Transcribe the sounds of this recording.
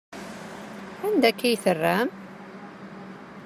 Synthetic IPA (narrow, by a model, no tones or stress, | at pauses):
ænd̪ækːæjθərːæm